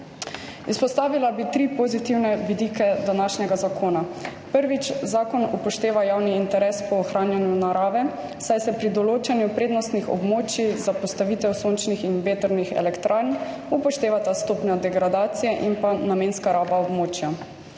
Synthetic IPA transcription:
ispɔst̪aːʋilabit̪ɾipɔzit̪iwnɛʋid̪iːkɛd̪anaʃnɛɡazakʰoːnapəɾʋit͡ʃzaːkɔnupɔʃt̪eːʋajawniːnt̪ɛɾɛspɔːxɾʔaːnjanjunaɾaːʋɛ | sajsɛpɾid̪ɔloːt͡ʃɛnjupɾeːd̪nɔst̪nixɔ̰bmoːt͡ʃizapɔst̪aʋiːt̪ɛwsont͡ʃnixinʋeːt̪əɾnixɛ̰lɛkt̪ɾʔaːɾn | upɔʃt̪eːʋat̪ast̪oːpnad̪ɛɡɾad̪aːt̪sijɛʔinpanameːnskaɾabaɔbmoːt͡ʃja

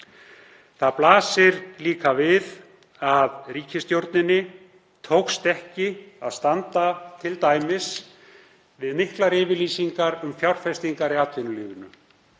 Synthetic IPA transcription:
θaðplaːsɪɾliːkavɪð | aðriːcɪst̪jowɾt̪nɪnːɪ | t̪ʰowkst̪ɛhcɪa̰ðst̪ant̪at̪ʰɪlt̪aːjmɪs | vɪðmɪhklaɾɪːvɪɾliːsiŋkaɾʏmfjawr̥fɛst̪iŋkaɾɪaːt̪ʰvɪnʏliːɣʏnʏ

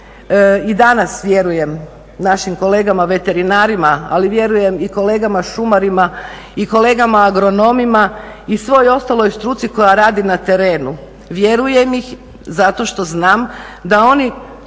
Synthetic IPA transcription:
id̪anasʋje̞ɾuje̞m | naʃimko̞le̞ːɡamaʋe̞t̪e̞ɾinaːɾimaa̰liʋje̞ɾuje̞miko̞le̞ːɡamaʃumaɾima | iko̞le̞ːɡamaːɡɾo̞no̞mimaisʋo̞jo̞st̪alˠo̞jst̪ɾuːt̪siko̞jaɾaːd̪inat̪e̞ɾe̞ːnu | ʋje̞ɾuje̞mix | zat̪o̞ʃt̪o̞znaːmd̪ao̞ni

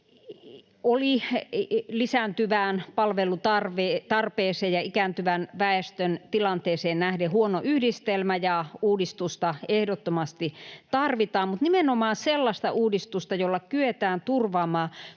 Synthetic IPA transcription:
oli | lisænt̪yʋæːnpɑlʋelut̪ɑrʋeːt̪ɑrpeːseːjɑikæːnt̪yʋænʋæest̪ønt̪ilɑnt̪eːseːnnæhdehuonoʔyhdist̪elmæjɑuːdist̪ust̪ɑehdot̪ːomɑst̪it̪ɑrʋit̪ɑːmmut̪nimenomɑːnselːɑst̪ɑʔuːdist̪ust̪ɑjolːɑkyet̪æːnt̪urʋɑːmɑː

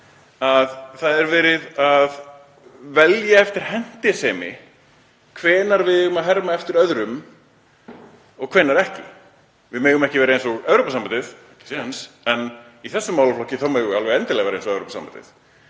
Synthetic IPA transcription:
aðθaðɛɾvɛːɾɪðað | vɛljaɛft̪ɪɾ̥hɛn̥t̪ɛsɛːmɪ̰ | kʰvɛːnaɾvɪðʏɣʏmaðɦɛɾmaɛft̪ɪɾœðɾʏm | ɔɣkʰv̥ɛːnːaɾɛhcɪ̰ | vɪðmɛːɣʏmɛhcɪvɛːɾaejnsɔɣœwɾoːpasamant̪ɪθ | nsɛn | iθɛsːʏmawlaflɔhcɪθamœːɣʏalvɛɣɛnt̪ɪlɛɣavɛɾaensɔɣœwɾoːpasa̰mba̰nt̪ɪθ

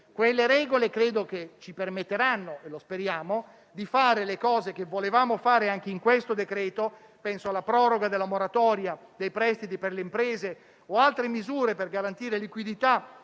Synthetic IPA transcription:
kwelːeɾɛːɡolekɾeːd̪oket͡ʃipermet̪ːeɾanːoelospeɾjaːmo | d̪ifaːɾelekɔːzek̟evːolevaːmofaːɾeaŋk̟eiŋkwest̪od̪ekɾɛːt̪o | pɛnsoalːapɾɔːɾoɡad̪elːamoɾat̪ɔːɾja | d̪ejpɾɛst̪it̪iperleimpɾeːze | oalt̪ɾemizuːɾeperɡaɾant̪iːɾelikwid̪it̪a

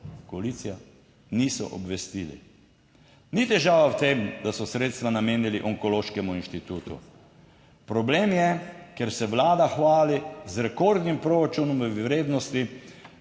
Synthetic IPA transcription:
koalit̪sija | nisɔ̰ʔɔ̰bʋɛst̪ilḭ | nit̪ɛʒaːʋawt̪emd̪asɔsɾeːt̪st̪ʋanameːniliʔɔŋkɔloːʃkɛmuinʃt̪it̪uːt̪ṵ | pɾɔbleːmjɛkɛɾsɛʋlaːd̪axʋaːlizɾɛkoɾd̪nimpɾoɾat͡ʃunɔmɾeːd̪nɔst̪i

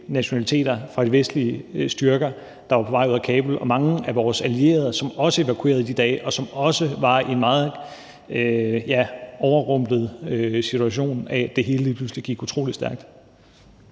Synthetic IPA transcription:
næɕo̝nælit͡sʰe̝̰ːd̥ɐfʁɑ̈ɾ̥iʋesd̥liəsd̥yɐɡ̥ɐ | d̥ɑ̈ʋɑ̈pʰɒ̽ʋɑ̈ɪuð̰ˠækʰɛːb̥l̩ɒ̽mɑ̈ŋəæʋɒːsælie̝̰ːɐð̞ˠsɒ̽mɒ̽səe̝ʋækʰue̝̰ːɐð̞̩ˠid̥id̥ɛːɪʔɒ̽sɒ̽mɒ̽səʋɑ̈ie̝nmɑ̈ːð̩ˠ | øjæɒʊɐʁɔ̽m̰b̥ð̞̩ˠøsit͡sʰuæɕ̬o̝̰ːnæd̥e̝ɦe̝ːləliːpʰlusliɡ̥iɡ̥ut͡sʰʁo̝̰ːlid̥sd̥æɐɡ̥d̥

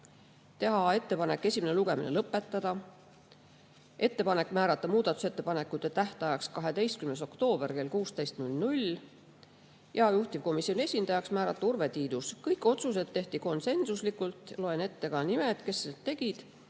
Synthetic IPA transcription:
t̪e̞ɦɑe̞t̪ːe̞pɑne̞kːˑe̞sʲimeneluɡe̞mḭnelɤpːˑe̞t̪ˑːɑd̪̥ɑ | ʔe̞t̪ːe̞pɑne̞kːmæːɾɑt̪ːˑɑmuːd̪̥ɑt̪ːˑu̥se̞t̪ːe̞pɑnekːˑut̪ːe̞t̪æht̪ɑjɑkskɑɦe̞d̪e̞jst̪̚kymneso̞kt̪o̞ːb̥e̞rke̞lkuːst̪ejst̪nulʲnulʲ | jɑjuht̪ivko̞misːio̞nie̞sʲind̪ɑjɑksmæːɾɑt̪ˑːɑurve̞t̪iːd̪̥uskɤjkːˑo̞t̪sus̬e̞d̪̥ːe̞ht̪iko̞nse̞nsuslikːˑult̪ːˑlo̞e̞ne̞t̪ːe̞kɑnimed̪̥ke̞sːelt̪ːe̞ɡ̥id̪̥

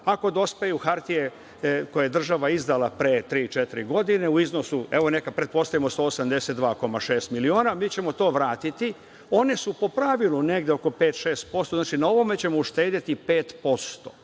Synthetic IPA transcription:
ako̞d̪o̞spejuxaɾt̪ije̞ | ko̞jajed̪r̩ʒaʋaizd̪alapɾet̪ɾiːt͡ʃet̪iɾiɡo̞d̪ine̞uizno̞sue̞ʋo̞ne̞kad̪pɾe̞t̪̚po̞st̪aʋimost̪oːosamd̪eset̪d̪ʋaːko̞maʃe̞ːst̪milioːnamiːt͡ɕe̞mo̞t̪o̞ːʋɾaːt̪it̪i | o̞nesupo̞pɾaʋilˠune̞ɡd̪eoko̞pe̞ːt̪ʃe̞ːst̪̚po̞st̪oznaːt͡ʃinao̞ʋo̞me̞t͡ɕe̞mouʃt̪eːd̪it̪ipeːt̪po̞st̪o̰

